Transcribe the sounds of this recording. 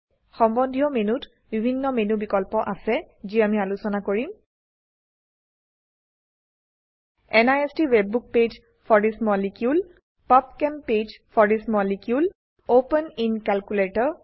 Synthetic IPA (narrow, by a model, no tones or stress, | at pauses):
xɔmbɔndʱijɔmenut | bibʱinːɔmenubikɔlpɔʔasɛziamialusɔnakoɹim | ɛnajestiwebːuk̚ped͡ʒ | pʰɔɹismɔlikjul | pap̚kɛmped͡ʒpʰɔɹismɔlikjul | openinkalkuletɔɹ